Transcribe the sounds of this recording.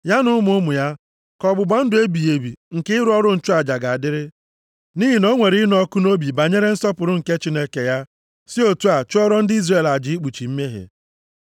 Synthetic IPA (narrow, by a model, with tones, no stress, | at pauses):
ja˦nʊ˦mʊ˦ʊ˦mʊ˨ja˦ | kɔ˨bʊ˨ba˦n̩˦dʊ˨e˦bi˨je˨bi˨ŋ̩˨ke˦ɪ˦ɾʊ˦ɔ˦ɾʊ˦n̩˦˨t͡ʃu˦a˨d͡ʒa˨ɡa˨a˨dɪ˦ɾɪ˦ | ni˦ɦi˨no˦ŋʷe˨ɾi˦n˦ɔ˦kʊ˦no˦bi˨ba˨ɲe˦ɾe˦n̩˦sɔ˦pʊ˨ɾʊ˦ŋ̩˨ke˦t͡ʃi˦ne˦ke˨ja˦ | si˦o˨tu˦a˨t͡ʃʊ˦ɔ˦ɾɔ˦n̩˦di˦zre˦˨la˨d͡ʒɪ˨˦i˦k͡pu˨t͡ʃi˨m̩˦me˦ɦḛ˨